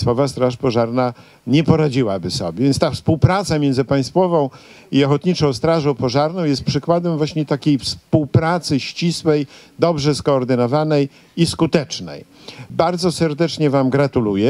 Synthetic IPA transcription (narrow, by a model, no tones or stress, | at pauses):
st̪fɔvast̪ɾaʂpɔʐaɾna | ɲɛpɔɾad͡ʑiwabɘsɔ̰bʲjɛvʲjɛnst̪afspuwpɾat̪samʲjɛnd̪zɘpaj̃st̪fɔvɔ̃w̃ | iɔxɔt̪ɲit͡ʂɔ̃w̃st̪ɾaʐɔ̃w̃pɔʐaɾnɔ̃w̃jɛst̪̚pʂɘkwad̪ɛmvwaɕɲɛt̪akʲejfspuwpɾat̪sɘɕt͡ɕiswɛjd̪ɔbʐɛskɔːɾd̪ɘnɔvanɛj | iskut̪ɛt͡ʂnɛ̰j | baɾd̪zɔsɛɾd̪ɛt͡ʂɲɛvamɡɾat̪ulujɛ